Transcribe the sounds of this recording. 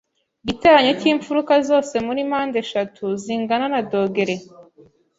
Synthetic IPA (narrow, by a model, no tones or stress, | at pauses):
ɟiteɾaɲociːɱfuɾukazo̞ːse̞muɾimaːnde̞ʃatʰuziŋɡananado̞ːɡe̞ɾe̞